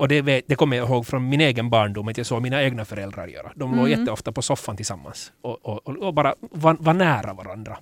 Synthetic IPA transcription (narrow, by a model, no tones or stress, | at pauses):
ɔd̪ɛveːd̪ɛkʰɔmːəjaɪɦoːɡfɾɔnmɪneːɡənbɑːɳɖumːɑt̪jɑɡsoːɡmiːnaeːɡnafœɾɛld̪ɾa̰ɾjø̰ːɾa̰d̪ɔmloːjɛt̪ːəɔft̪apɔsɔfːant̪ʰɪlsamːa̰nsɔɔobɑːɾavɑvɑnæːɾavaɾa̰nd̪ɾa